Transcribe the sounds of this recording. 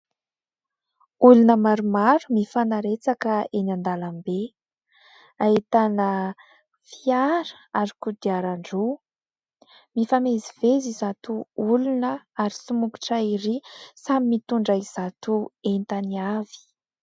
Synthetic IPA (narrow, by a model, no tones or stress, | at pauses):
ulunəmaɾumaɾumifanaɾet͡sakəenand̪alambe | ait̪anə | fiaɾə̥aɾikud̪iaɾaɳɖ͡ʐu | mifamezivezizat̪uulunəaɾisumuku̥ʈ͡ʂaiɾisamimit̪uɳɖ͡ʐaiz̥at̪uent̪aniavi̥